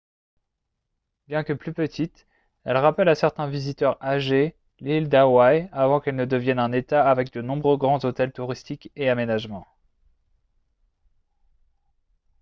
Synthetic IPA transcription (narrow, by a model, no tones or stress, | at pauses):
bjɛ̃kəplypət̪ʰit̪ | ɛlʁapɛlasɛʁt̪ɛ̃vizit̪œʁaʒe | lild̪awajavɑ̃kɛlnəd̪əvjɛnɛ̃net̪aːvɛk̚d̪ənɔ̃bʁøɡʁɑ̃zot̪ɛlt̪uʁist̪ikeamenaʒmɑ̃